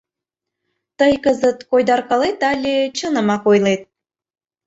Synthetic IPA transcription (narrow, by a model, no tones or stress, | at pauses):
t̪əjkəzət̪kojd̪ɑrkɑlet̪ɑlʲet͡ɕənə̆mɑkojlet̪̚